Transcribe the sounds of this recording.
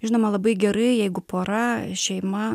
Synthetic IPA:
ʒʲɪnoːmɐlˠɐbɐɪɡʲɛɾɐɪjɛɪɡʊpoːɾɐʃʲɛɪmɐ

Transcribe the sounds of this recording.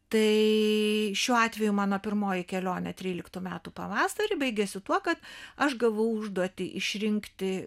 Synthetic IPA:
t̪ɐɪ | ʃʲuːɑːt̪ʲʋʲɛjumɑːnoːpʲɪɾmoːjɪkʲɛlʲoːnʲɛt̪ʲɾʲiːlʲɪkt̪uːmʲæːt̪upɐʋɑːsɐɾʲɪbɐɪɡʲɛsʲɪt̪uɔkɐt̪ɐʃɡɐʋɐʊʊʒd̪uɔt̪ʲɪʔɪʃʲɾʲɪŋkt̪ʲɪ

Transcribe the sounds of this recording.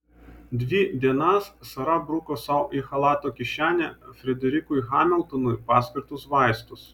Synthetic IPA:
d̪ʲʋʲid̪ʲiɛnɐssɐɾɐbɾʊkosɐʊʔixɐlˠɑːt̪oːkʲɪʃʲæːnʲɛfʲɾʲɛd̪ʲɛɾʲɪkʊjxɑːmʲɛlˠˑt̪ɔnʊjpɑːsʲkʲɪɾt̪ʊsʋɑˑɪst̪ʊs

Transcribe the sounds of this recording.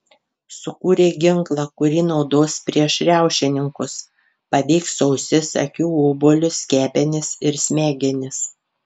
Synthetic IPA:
sʊkuːɾʲeːɡʲɪŋklˠɑkʊɾʲiːnɒʊd̪oːspʲɾʲiɛʃɾʲæˑʊʃʲɪnʲɪŋkʊs | pɐbʲiːksɐʊsʲɪsɐ̰kʲuːʊbolʲʊsʲkʲæːpʲɛnʲɪsɪɾsʲmʲæːɡʲɛnʲɪs

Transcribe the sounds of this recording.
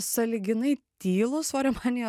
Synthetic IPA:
sɐlʲɪɡʲɪnɐɪt̪ʲiːlˠʊsʋɐɾʲɛmɑnʲɪj

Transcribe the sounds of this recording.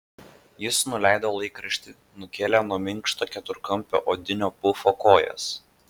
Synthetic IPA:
jɪsnʊlʲæˑɪd̪ɐoːlˠɐɪkɾɐʃʲt̪ʲɪ | nʊkʲeːlʲɛnuɔmʲɪŋˑkʃt̪oːkʲɛt̪ʊɾkɐmʲpʲo̰ːʔoːd̪ʲɪnʲoːpʊfoːkoːjɛ̰s

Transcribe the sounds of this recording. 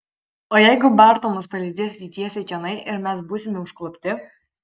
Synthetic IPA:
oːjɛɪɡʊbɑˑɾt̪oːmʊspɐlʲɪd̪ʲeːsʲt̪ʲiːt̪ʲiɛsʲɛɪkʲɛnɐɪʔɪɾmʲɛsbuːsʲɪmʲɪʊʃklˠʊpʲt̪ʲɪ

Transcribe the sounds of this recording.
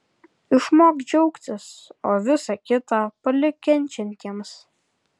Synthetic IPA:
ɪʃmoːɡd͡ʒʲɛʊkt͡s̪ʲɪsoːʋʲɪsɑkʲɪt̪ɑpɐlʲɪkʲɛnʲt͡ʃʲɪnʲk̪ʲiɛms

